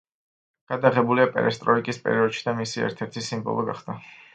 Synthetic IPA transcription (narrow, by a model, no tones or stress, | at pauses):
ɡ̥ad̪aʁɛbuliapʼɛ̰ɾɛst̪ʼɾɔikʼispʼɛ̰ɾiɔd̪ʃid̪amisiɛ̰ɾt̪ʰɛɾt̪ʰisimbɔ̰lˠɔɡa̰χd̪a